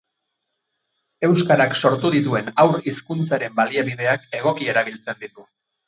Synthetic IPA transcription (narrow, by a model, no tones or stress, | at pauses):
e̞wskaɾakso̞ɾt̪uðit̪̬ue̞nawɾiskunt͡saɾe̞mbaliaβiðe̞ake̞ɣ̞o̞kie̞ɾaβ̞ilt͡se̞nd̪it̪u